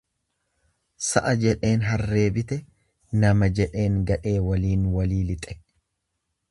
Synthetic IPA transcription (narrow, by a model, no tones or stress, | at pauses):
sɐʔɐd͡ʒɛᶑe̞ːnɦɐrːe̞ːbɪt̪ɛ | nɐmɐd͡ʒɛᶑe̞ːŋɡɐᶑe̞ːwɐliːnwɐliːlɪt̪ʼɛ̥